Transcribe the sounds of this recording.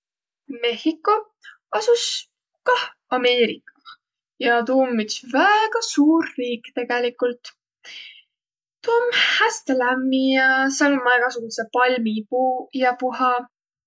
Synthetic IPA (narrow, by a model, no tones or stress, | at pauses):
me̞hikːo̞ | ɑsus | kɑh | ɑme̞ːɾikːɑ̥ | jɑt̪uːmːit̪svæɡ̥ɑsuːɾːiːkːˑt̪e̞ɡ̥elikːˑult̪ | t̪uːmhæst̪elæmːijɑselmɑjɡ̥ɑsuɡ̥usepɑlʲmipujɑpuɦɑ